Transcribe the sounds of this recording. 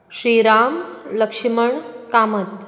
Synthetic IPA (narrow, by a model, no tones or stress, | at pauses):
ɕɾiːɾaːmləkʂiməɳkaːmət̪